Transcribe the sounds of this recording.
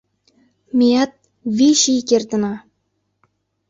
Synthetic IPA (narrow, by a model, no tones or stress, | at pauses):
mʲeɑt̪̚ | βiʃikert̪ə̆nɑ